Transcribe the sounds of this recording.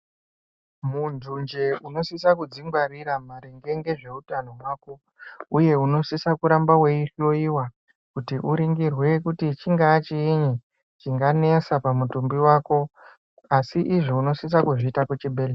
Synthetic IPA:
mundʱund͡ʒe̞uno̞sisakud͡ziŋɡwariɾamaɾeŋɡe̞ŋɡe̞ʐe̞utano̞waːko̞ | uje̞uno̞sisakuɾambawe̞iɬo̞iwa | kutiʔuɾiŋɡirwe̞kutit͡ʃiŋɡaːt͡ʃiiɲi | t͡ʃiŋɡane̞sapamutumbiwaːko̞ | asiʔiʐiuno̞sis̬akuʐiːtaket͡ʃibʱeːle

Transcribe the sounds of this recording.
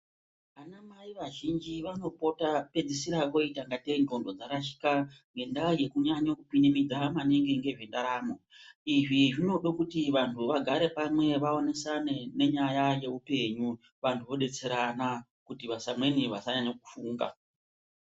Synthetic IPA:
ʋanamaiʋaʒind͡ʒiʋano̞po̞tape̞d͡zisiɾako̞itaŋɡateno̞ndo̞d͡zakaʃi̥kaŋɡe̞ndaje̞kuɲaɲokupinimid͡zamaneŋɡe̞ŋɡe̞ʐendaɾaːmo̞ | iʐiʐino̞ɗokutiʋantʰuʋaɡʱaɾe̞pamwe̞ʋao̞ne̞sanene̞ɲajaje̞upe̞ɲu | ʋantʰuʋo̞ɗe̞t͡se̞ɾana | kutiʋasamwe̞niʋasaɲaɲaku̥fuːŋɡa̰

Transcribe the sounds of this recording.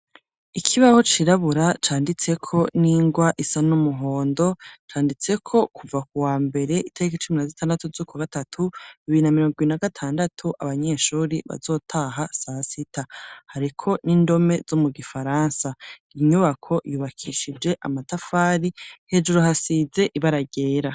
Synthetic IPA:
ikʰiβaho̞t͡ʃiɾaβuɾat͡ʃaːndit͡se̞kʰo̞niːŋɡwaʔisanumuɦo̞ːndo̞t͡ʃaːndit͡se̞kʰo̞kuvakuwaːmbe̞ɾe̞ʔitʰaɾikit͡ʃuminazitʰaːndatuzukwaɡatatʰuiβiinamiɾo̞ːŋɡiβinaɡatʰaːndatʰuʔa̰βaɲeːʃuːɾiβa̰zo̞ːtʰaɦasasitʰahaɾikʰo̞niːndo̞me̞z̥omuɡifaɾaːnsaiɲuβakʰo̞juːβakʰiʃid͡ʒe̞ʔa̰matafaːɾihe̞d͡ʒuɾohasize̞ʔiβaɾaɡe̞ːɾa

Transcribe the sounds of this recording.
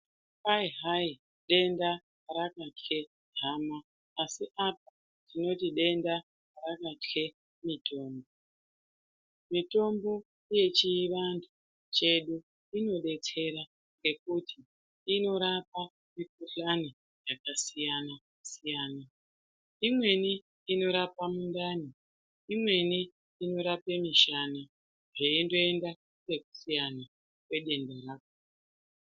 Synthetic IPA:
paiɦai | ɗe̞nda | ɾakate̞ | ɦamaː | siʔap̚a | tino̞tiɗe̞nda | rakate̞ | mito̞ːmbo̞ | mito̞mbo̞ | ije̞t͡ʃiːʋandʰu | t͡ʃe̞ɗu | ino̞ɗe̞t͡se̞ɾa | ŋɡe̞k̚uti | ino̞ɾapa | mik̚uɬani | jakasijana | sijaːna | imwe̞ni | ino̞ɾapamundani | imwe̞niː | no̞ɾapemiʃana | ʐeindo̞e̞nda | ke̞ku̥sijana | kwe̞ɗe̞ndaɾaːko

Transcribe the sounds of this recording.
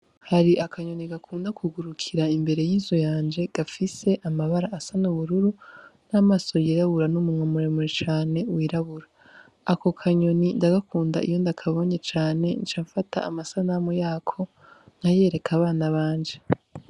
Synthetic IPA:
haɾiʔakʰaɲo̞niɡakʰuːndakʰuɡuɾukʰiɾaimbe̞ɾe̞jiːzujaːnd͡ʒe̞ɡ̥afise̞ʔamaβaɾaʔːsanuβuɾuɾunamaso̞jiɾaβuɾanumumŋwemuɾemuɾet͡ʃaːne̞wiːɾaβuɾaː | ko̞kʰaɲo̞nindaɡakʰuːnda̰ḭjo̞ndakʰaβo̞ɲe̞t͡ʃaːne̞nt͡ʃaːɱfatʰa̰a̰masanamujaːkʰo̞ | n̥haje̞ːɾe̞kʰaβaːnaβaːnd͡ʒe

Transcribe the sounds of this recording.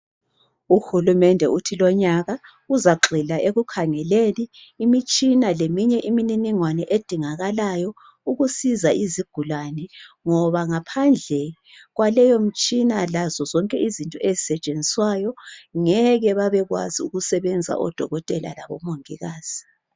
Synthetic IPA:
uxulumɛndʱɛʔutʰilɔɲaɣa | uzaɡ͡ǃʱilaʔeɣukʰaŋɛleniːmit͡ʃʼinalemiɲɛʔimininiŋwanɛʔed̥ʱiŋaɣalajɔ | uɣusizaʔiziɡ̥ʱulanɛŋɔβaŋapʰand͡ɮʱɛ | ɣwalɛjom̩t͡ʃʼinalazɔzɔŋkʼɛʔizintʼɔezisɛt͡ʃʼend͡zʱiswajɔŋɛɣɛβaβɛɣwa̰ziuɣusɛβɛnd͡zʱa̰ʔɔ̰d̥ʱɔɣɔtʼɛla̰laβɔ̰moŋiɣaːz̥i

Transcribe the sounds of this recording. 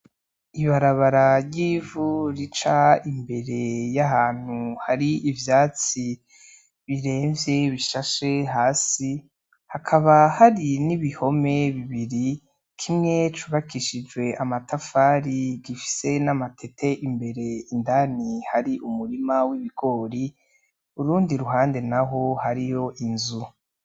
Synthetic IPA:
iβaɾaβaɾaɾjiːvuɾit͡ʃaimbe̞ɾe̞jaɦaːn̥huhaɾiivjaːt͡si | βiɾe̞ːɱvje̞βiʃaʃe̞ɦaːsi | hakʰaβahaɾiniβiho̞me̞βiβiɾi | kʰimŋe̞t͡ʃuβakʰiʃid͡ʒwe̞ʔamatafaːɾiɡifi̥se̞namatʰe̞tʰe̞ʔimbe̞ɾe̞indanihaɾiʔumuɾimawiβiɡ̥o̞ːɾi | uɾuːndiɾuɦaːnde̞naɦo̞haɾijo̞ʔinzu

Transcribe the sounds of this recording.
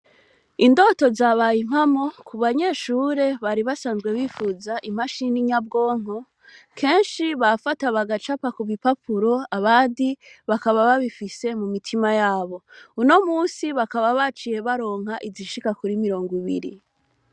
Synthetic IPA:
indo̞to̞zaβaːjim̥hamo̞kuβaɲe̞ːʃuːɾe̞βaɾiβasaːnzɡwe̞βifuzaʔim̥aʃiniɲab̚ɡo̞ːŋ̥o | kʰe̞ːnʃiβafataβaɡat͡ʃapakuβipapʰuɾo̞aβaːndiβakaβaβaβifise̞mumitʰimajaːβo̞uno̞muːsiβakaβaβat͡ʃije̞βaɾo̞ːŋ̥haʔiziʃikakuɾimiɾo̞ːŋɡiβḭɾḭ

